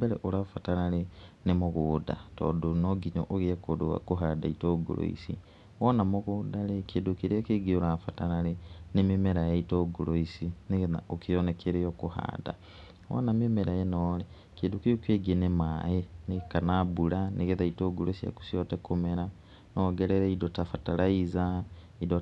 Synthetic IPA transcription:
bɛɾɛʔoɾafataɾaɾenemoɣoːda̰tɔ̰ːdonɔɡiɲɔ̰ʔoɣeɛkodoa̰koɦadaitɔɡo̰ɾo̰ḭsḭ | wɔnamoɣodaɾekeːndokeɾeakeɡeoɾafataɾaɾenememɛɾajaitɔɡoɾoisineɣeða̰okijonɛkeɾejokoha̰da̰ | wɔ̰namemɛɾajenɔle | keːndukijokweɡenemaenekanabuɾaneɣeðaitoɡoloisia̰ku̥siɔtɛkomɛɾa | nɔɡɛɾɛɾɛidotafatalaiza | ido

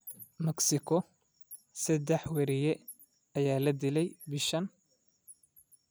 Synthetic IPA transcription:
mɐksɪkʰɔ | sɐd̪ɛħwɛɾɪjɛ | ɐjaːlɐd̪ɪlɛjbɪʃɐn

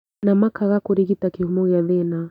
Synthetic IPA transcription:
namakaɣakuɾiɣitakihumɔɣjaðɛna

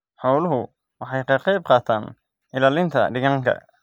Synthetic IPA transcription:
ħɔwlʊɦʊ | wɑħɑjqʰɐqɛjb̚qɑːt̪ʰaːn | ʔɪlaːlɪnt̪ʰɐ̰ɖɪɣaːŋkʰɐ̰

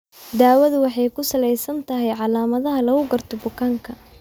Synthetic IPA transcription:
d̪aːwɐðʊwɑħɑjkʰʊsɐlɛjsɐnt̪ʰɐɦɛjʕɑlaːmɐðɐɦɐlɐɣʊɡɐrt̪ʰɔbʊkʰaːŋkʰɐ

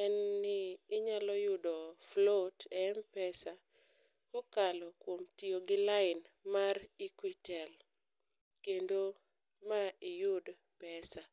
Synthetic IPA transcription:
ɛnːɪːɲalɔjʊdɔflotɛmpɛsa | kokalɔkwomtioɡɪlaɪn | marikwitɛl | kendo | maɪjʊd | pɛsa

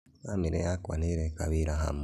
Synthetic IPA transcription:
amiɾejakwa̰neɾekaβiɾaɦa̰m

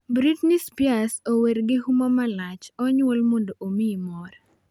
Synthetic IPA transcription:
bɾitnispjasoweɾɡɪhumamalat͡ʃɔɲwolmondoʔomimɔɾɛ

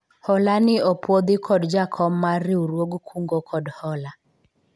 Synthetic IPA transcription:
hɔlanɪɔpwod̪ɪkʰɔdd͡ʒakʰɔmːaɾɪuɾwoɡkʰuŋɡokʰɔdhɔla

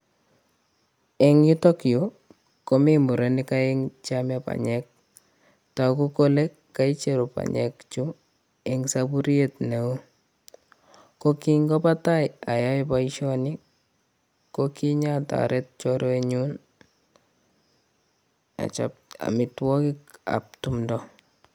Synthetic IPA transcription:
eŋjutokjo | komimuɾenɪkaeŋt͡ʃamapa̰ɲɛk̚ | takukolekkːait͡ʃeɾopa̰ɲɛ̰kt͡ʃu | ɛŋsabuɾietneo | kokiŋɡɔpatajajajpaiʃɔni | kokiɲata̰ɾet̚t͡ʃɔɾoeɲun | a̰t͡ʃa̰p̚a̰mɪtwɔkɪka̰p̚tumdɔ

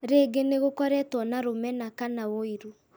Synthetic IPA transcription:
ɾeːɡeneɣokɔɾɛtwɔnaɾomɛnakanawoiɾu

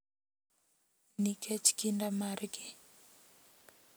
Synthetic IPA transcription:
nikʰɛt͡ʃkindamaɾɡɪ

